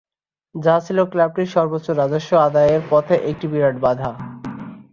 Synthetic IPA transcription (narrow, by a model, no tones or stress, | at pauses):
d͡ʑat͡ɕʰiloklab̚ʈiɾʃɔɾbotːɕːoɾːad͡ʑoʃːoad̪ajeɾpɔt̪ʰeʔek̚ʈibiɾaʈbad̪ʱa